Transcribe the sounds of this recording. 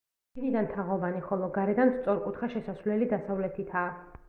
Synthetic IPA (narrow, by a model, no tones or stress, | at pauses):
ɡnid̪ant̪ʰaʁɔvaniχɔlˠɔɡaɾɛd̪anst̪sʼɔɾkʼut̪ʰχaʃɛsasvlɛlid̪asavlɛt̪ʰit̪ʰaː